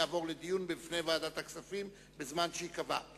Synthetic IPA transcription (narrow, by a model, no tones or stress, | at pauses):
aːvo̞ʁled̪ijunbifnejvaːdat̪haksafim | bezmanʃeikava̰